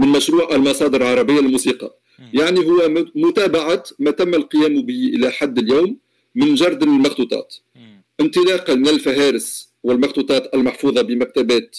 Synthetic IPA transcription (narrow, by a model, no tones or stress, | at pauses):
mɪnmæʃɾuːʕʔælmɑsˤɑːd̪əɾlʕɑɾˤɑbəjːalmusiːqɑ | jaʕniɦʊwːæmʊt̪æːbaʕamæt̪æmːælqɨjæːmbiːʔɪlæħad̪ːɪljawmː | ɪnʒɑɾˤd̪lmɑxt̪uːt̪ˤɑ̰ːt̪ | ʔɪnt̪ɨlɑːqɑmɪnælfæɦæːɾəs | wɪlmɑxt̪uːt̪ˤɑːt̪ʔælmaħfuːðˤɑbɪmæk̚t̪æbæːt̪